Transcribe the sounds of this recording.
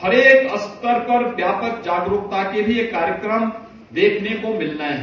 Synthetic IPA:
hɐɾeːkɐst̪əɾpɐɾbjaːpəkd͡ʒaːɡɾʊk̚t̪akebʱijekaːɾjəkɾəm | d̪eːkʰnekomɪlnae

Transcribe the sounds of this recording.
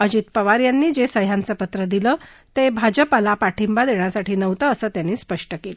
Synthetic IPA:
əd͡ʑit̪̚pəʋaɾjanːiːd͡ʑesəjãnt͡səpət̪ɾəd̪ilə | t̪ebʱad͡ʑəpalapaʈʰimbad̪eɳ̃jasaʈʰiːnəʋt̪əːsəːt̪janːiːspəʂʈəkelə

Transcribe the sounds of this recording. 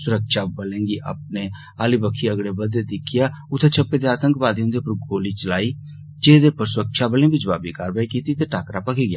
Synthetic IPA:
sʊɾəkʃaːbəlẽːŋɡiːʔa̰ːp̚neː | aːlibəkʰːiːəɡɽeːbəd̪ed̪ɪkʰːɪjaː | ʊt̪ʰːeːt͡ʃʰəpːeːd̪eːaːt̪əŋkbaːd̪eõːnd̪eːpəɾɡoːliːt͡ʃəlaːiː | d͡ʒeːd̪eːpəɾsʊɾəkʃaːbəlẽːbid͡ʒəba̰ːbiːkaːɾbaːikiːt̪iːt̪eːʈaːkɾaːpəkʰiːɡɪja̰ː

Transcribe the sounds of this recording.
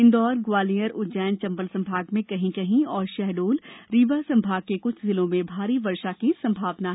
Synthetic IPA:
ɪ̃nd̪ɔːɾɡwaːlijəɾʊd͡ʒɛːnt͡ʃɐ̃mbəlsɐ̃mbʱaːɡmẽkɐɦĩkɐɦĩɔːɾʃɛɦɖoːlɾiːbasɐ̃mbʱaːɡ̚kekʊt͡ʃʰzɪlõmẽbʱaːɾiʋɐɾʃakisɐ̃mbʱaːʋnaɦ

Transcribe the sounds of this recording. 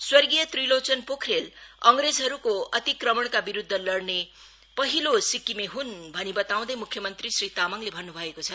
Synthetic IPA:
swʌrɡijʌt̪rilot͡sʌnpokʰrelʌŋred͡zɦʌɾukoʌt̪ikrʌmʌɳ̃kabiɾud̪ʱːʌlʌrne | pʌɦilosikimeɦunbʱʌnibʌt̪aw̃d̪ʌjmukʰːjʌmʌnt̪risrit̪amʌŋlebʱʌnːubʱʌekot͡sʰʌ

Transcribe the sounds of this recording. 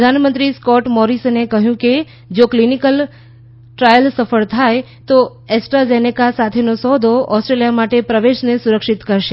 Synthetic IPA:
d̪ʱanmə̃nt̪ɾiskɔʈmɔɾisnekəɦjũke | d͡ʒoklinikəl | ʈɾajəlsəfəɭt̪ʰaj | t̪o | ɛsʈɾazenekasat̪ʰenosɔd̪ʱoʔɔsʈɾelijamaʈepɾəʋeʃnesuɾəkʃit̪kəɾʃe

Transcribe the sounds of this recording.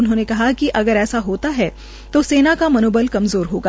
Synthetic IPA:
ʊnɦõːnekɐɦakiʔɐɡəɾɛːsaɦoːt̪aɦɛ | t̪oseːnakamɐnoːbəlkɐmzoːɾɦoːɡaː

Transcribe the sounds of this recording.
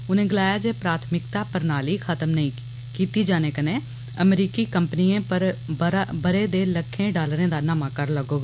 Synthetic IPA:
ʊnẽːɡɪlaːjaːd͡ʒeːpɾaːt̪ʰmɪkt̪aːpəɾnaːliːkʰət̪əmnəĩː | kiːt̪iːd͡ʒaːneːkənẽː | əmɾiːkiːkəmpəniːẽːpəɾ | bəɾeːd̪eːləkʰːẽːɖaːlɾẽːd̪aːnaːmaːkəɾləɡoːɡaː

